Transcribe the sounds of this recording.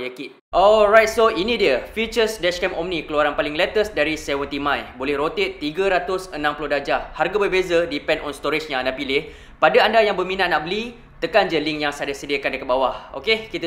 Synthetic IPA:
jəki | ʔɔlrajt̪̚soinĩdiəfit͡ʃəsdɛʃkɛmɔmnikəluaɾanpalɪŋlɛt̪əsdaɾisɛwənt̪imãjbolɛhɾot̪et̪ːiɡəɾat̪ʊsənãmpulʊhdad͡ʒaharɡabərbezədipɛ̃ndɔnst̪ɔɾit͡ʃɲanapilɪh | padaandajaŋbəmĩnaʔ̚naʔbəli | t̪əkand͡ʒəliŋjaŋsadasədiəkandəkat̪̚bawaho̰kekit̪ə

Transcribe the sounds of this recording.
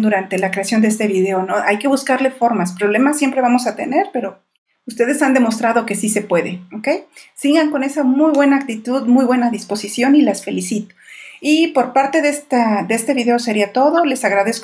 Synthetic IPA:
nd̪uɾant̪e̞lakɾe̞asjo̞nd̪eest̪e̞βiðe̞onoʔajke̞β̞uskaɾle̞fo̞ɾmaspɾo̞β̞le̞masːje̞mpɾe̞βamo̞sat̪ene̞ɾpe̞ɾo̞ | ust̪e̞ðe̞sand̪e̞mo̞st̪ɾað̞o̞ke̞sise̞pwe̞ðeoke̞jsiɣaŋko̞ne̞samujβwe̞naːk̚t̪it̪uðmujβwe̞naðispo̞sisjo̞nilasfe̞lisit̪o̥ipo̞ɾpaɾt̪e̞ðest̪ad̪eest̪e̞βiðe̞o̞seɾiat̪o̞ðo̞le̞saɣɾaðe̞sk

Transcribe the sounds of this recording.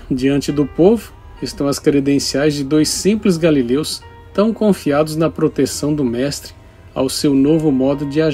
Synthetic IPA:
d͡ʒiɐ̃nt͡ʃɪd̪ʊpovʊ | ɪst̪ɐ̃w̃ɐskɾed̪ẽsiajzd͡ʒɪd̪ojsːĩplɪz̬ɡalilews | t̪ɐ̃w̃kõfiad̪ʊznɐpɾot̪esɐ̃w̃d̪ʊmɛst̪ɾɪ | a̰wsewnovʊmɔd̪ʊd͡ʒɪaʒ

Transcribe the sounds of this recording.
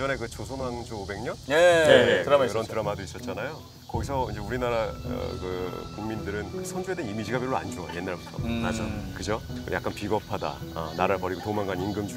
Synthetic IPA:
d͡ʑʌne̞kɯt͡ɕosʰonwaŋd͡ʑobe̞ŋɲʌnekɯɾʌntɯɾamadois͈ʌt̚t͡ɕ͈anajo | kʌɡisʰʌind͡ʑe̞uɾinaɾa̰kɯkuŋmindɯɾɯnkɯsʰʌnd͡ʑuɦe̞denimid͡ʑiɡabjiɭɾoa̰nd͡ʑuʌje̞nːaɭotʰa̰na̰d͡ʑukɯd͡ʑokɯ̰ja̰k͈anpiɡʌpʰada̰ | ʌ̰naɾaɭpʌɾiɡotomaŋɡaninɡɯmd͡ʑu

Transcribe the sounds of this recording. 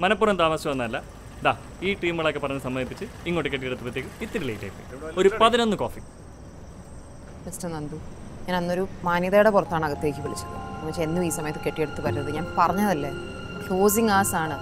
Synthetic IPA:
mɐnɐpːuːrɐmt̪aːmɐsjɐmʋɐnːɐɐlːɐ | d̪aː | iːʈiːmɣɐɭokːepːɐrɐɲːɨsɐmːɐd̪ipːit͡ɕːɨ | iŋːoːʈːekːeʈːijeɽɨt̪ːɨpːɐt̪̬ːjekːɨit̪ːiɾileːjʈːḛːpːḭo̞ɾupɐðino̞nːɨkoːfi | misʈɐnɐnd̪uɲaːnɐnːo̞ɾumaːnjɐðɐjuɽepurɐt̪ːaːɳɨɐɣɐt̪ːe̞ːkʲːiʋiɭit͡ɕːulːṵɐumːɐt͡ɕːee̞nːumiːsɐmɐjɐt̪ːɨke̞ʈːije̞ɽut̪ːɨpɐɾunːɐðɨɲaːnpɐrɐɲːɐðɐlːe | koːsiŋaːsaːɳɨ

